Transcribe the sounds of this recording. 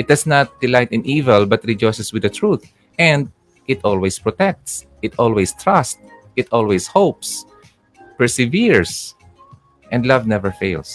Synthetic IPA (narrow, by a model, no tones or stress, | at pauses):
ʔɪt̪̚d̪ɐsnat̪̚d̪ɪlajt̪ɪ̃nʔivɛlbɐt̪ɹɪd͡ʒɔjsɛswɪd̪ɐt̪ɹut̪ | ʔɛ̃nd̪̚ | ʔɪt̪ɔlwespɹɔt̪ɛk̚t̪s | ʔɪt̪ɔlwest̪ɹast̪̚ʔɪt̪ɔlweshowps | pɛɹsɛviɹs | ʔɛ̃nd̪lavnɛvɛɹfeɪls